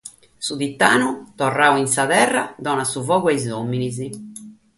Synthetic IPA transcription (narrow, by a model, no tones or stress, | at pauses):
suðit̪ːa̰ːnut̪ɔrːaːwinsaðɛrːad̪ɔnasuvɔːɣuɛizomːinizi